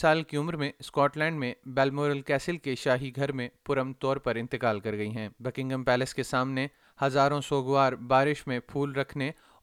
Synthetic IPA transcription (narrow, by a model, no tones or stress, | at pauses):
saːlkiʊmɾmẽskɔːʈlɛ̃ːɳɖmẽbɛːlmoːɾəlkɛːsəlkeʃaːɦiɡʱɐɾmẽpʊɾəmt̪ɔːɾpɐɾɪ̃nt̪ɪkaːlkɐɾɡɐiɦɛ̃ːbɛkɪ̃ŋɡəmpɛːləskesaːmne | hɐzaːɾõsoːɡʋwaːɾbaːɾɪʃmẽpʰuːlɾɐkʰne